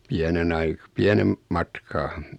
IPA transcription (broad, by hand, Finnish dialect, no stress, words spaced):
piænen ɑi piænem mɑtkɑː